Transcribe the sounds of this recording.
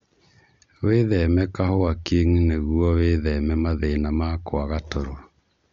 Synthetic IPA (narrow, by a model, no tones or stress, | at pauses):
weðɛmɛkaɦoakeŋuneɣuɔweðɛmɛmaðenamakoaɣatɔɾoa